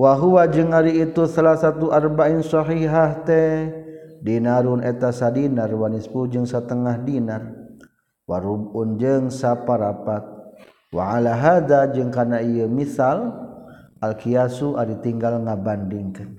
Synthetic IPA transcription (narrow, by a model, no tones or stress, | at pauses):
waɦuwad͡ʒɨŋaɾiːt̪usalahsat̪uʔarbainsɔɦiɦaht̪ɛ | dinaɾunet̪asadinarwanispud͡ʒɨŋsat̪əŋahdinar | waɾubund͡ʒɨŋsapaɾapat̪̚ | wa̰ʕalaɦad̪ad͡ʒɨŋkanaiəmiθal | alkiasuʔaɾit̪iŋɡalŋabandiŋkan